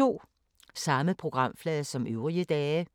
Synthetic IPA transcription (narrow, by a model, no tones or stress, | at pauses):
o̝̰ː | sɑ̈məpʰʁo̝ɡ̥ʁɑ̈m̰flɛːðˠsɒ̽mʔøʊʁiəd̥ɛː